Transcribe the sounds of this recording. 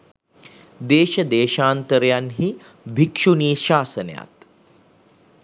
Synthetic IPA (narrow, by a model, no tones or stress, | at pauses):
d̪eːʃɐd̪eːʃaːnt̪əɾjanɦi | bʱikʂuniːʃaːsənja̰t̪